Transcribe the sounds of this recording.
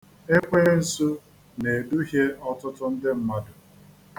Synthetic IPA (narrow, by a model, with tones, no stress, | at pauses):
e˦kʷe˦n̩˨su˦ | ne˨du˦ɦje˦ɔ˦tʊ˦tʊ˦n̩˦dɪ˦m̩˦ma˦dʊ˨